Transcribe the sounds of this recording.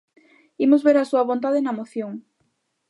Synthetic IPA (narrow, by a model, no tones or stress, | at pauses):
imozβeɾasuɐβont̪̬aðenɐmoθjoŋ